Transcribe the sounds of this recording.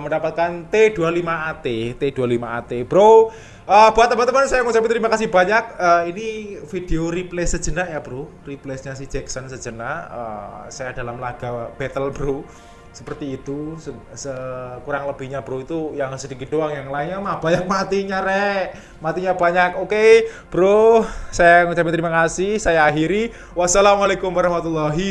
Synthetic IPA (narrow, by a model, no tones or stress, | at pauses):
məndapat̪̚kant̪ed̥ualimaːt̪et̪ed̥ualimaat̪eb̥ɾo | ʔəb̥uat̪ːəmant̪əmənsajamut͡ʃabit̪əɾimakasihb̥aɲak̚əinifid̥eoriplesə̥d͡ʒənaʔjab̥ɾo | riplesɲasihd͡ʒɛksənsə̥d͡ʒənaə̰sajada̤lamlaɡ̥a̤b̥ɛt̪əlbəɾo | sə̥pərt̪iːt̪usə | səkuɾaŋləb̥i̤hɲab̥əɾoit̪ujaŋsədikɪt̪̚doaŋjaŋlaiŋɲamab̥aɲak̚mat̪iɲaɾɛ | mat̪iɲab̥aɲakoke | b̥əɾosajaŋut͡ʃapɛnt̪ɾimakasɪhsajaːɦiɾi | wasalamalekʊmwaɾɑhmat̪ulːaɦi